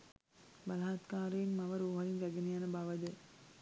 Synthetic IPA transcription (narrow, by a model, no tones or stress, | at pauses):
balaat̪kaːɾejːnmaʋəɾoɦɐɾinʋæɡenejanəbaʋəd̪ə